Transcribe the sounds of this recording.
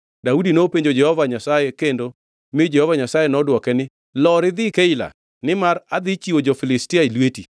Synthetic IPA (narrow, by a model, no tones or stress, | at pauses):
daudinopeɲd͡ʒod͡ʒɛhɔvaɲasajekendo | mɪd͡ʒɛhɔvaɲasajenɔdwɔkɛnɪ | lɔɾɪd̪ɪkeɪla̰ | nɪmaɾad̪ɪt͡ʃiod͡ʒɔfilɪstiailweti